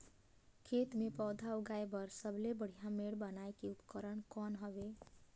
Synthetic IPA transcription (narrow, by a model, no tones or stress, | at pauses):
kʰet̪mepɔːd̪ʱauɡaebəɾsəbʱlebəɽ̤ijãmeɽbənaekiupkəɾəɳkɔnɦəbe